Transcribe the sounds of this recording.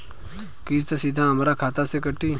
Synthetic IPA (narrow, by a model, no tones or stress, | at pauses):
kiːst̪esid̪ʱãɦəmɾakʰaːt̪asekəʈːiː